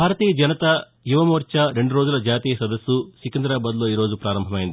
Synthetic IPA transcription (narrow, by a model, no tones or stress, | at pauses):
bʱaːɾɐt̪iːjɐd͡ʒɐnɐt̪ɐ | juʋɐmoːɾt͡ʃɐɾe̞ɳɖuɾo̞ːd͡ʒulɐd͡ʒaːt̪iːjɐsɐd̪ɐsːusikɐnd̪ɾaːbɐːd̪lo̞ːiːɾo̞ːd͡ʒupɾaːɾɐmbʱɐmɐjind̪i